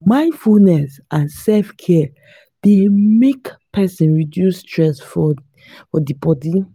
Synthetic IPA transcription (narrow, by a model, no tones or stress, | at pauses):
mãɪ̃nfulnɛsʔãnsɛlfkʰɛ | d̥emekpʰɛsĩnɹidjustɹɛsfɔ | fɔdibɔdi